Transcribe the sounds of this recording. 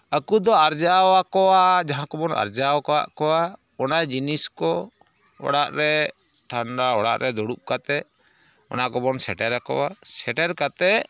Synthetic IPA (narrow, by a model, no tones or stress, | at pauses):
əkud̪ɔaɾd͡ʒawakɔwad͡ʒaɦãkɔbɔnʔa̰ɾd͡ʒawkɔwa̰ʔkɔwa | ɔnajd͡ʒiniskɔ | ɔ̰ɽaʔɾɛ | ʈʰaɳɖaɔɽa̰ʔɾɛd̪ɔɽup̚kat̪ɛ | ɔ̰nakɔbɔnsɛʈɛɾakɔ̰wasɛʈɛɾkat̪ɛʔ